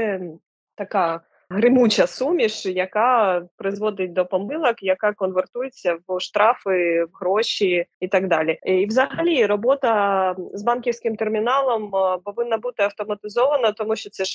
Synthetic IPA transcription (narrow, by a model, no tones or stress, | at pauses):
sɛ | t̪ɐkɑ | ɦɾɪmut͡ʃɐsumʲiʃjɐkɑpɾɪzʋɔd̪ɪt̚ʲd̪ɔpɔmɪlˠɐkjɐkɑkɔnʋert̪ujet͡sʲːɐwʃt̪ɾɑfɪwɦɾɔʃʲiit̪ɑɡd̪ɑlʲiiwzɐɦɐlʲiɾɔbɔt̪ɐzbɑnkʲiwsʲkɪmt̪ermʲinɑlˠɔmpɔʋɪnːɐbut̪ɪɐwt̪ɔmɐt̪ɪzɔʋɐnɐt̪ɔmuʃt͡ʃɔt̪sɛ